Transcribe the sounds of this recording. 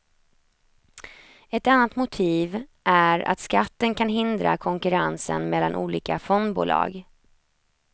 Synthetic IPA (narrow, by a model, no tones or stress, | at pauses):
ɛt̪anːat̪mʊt̪ʰiːvʔæɾa̰t̪skat̪ːənkʰanɦɪnd̪ɾa̰kʰɔŋkɵɾansə̰nmɛlːanʔuːliːkafɔnd̪bṵːlʔɑ̰ːɡ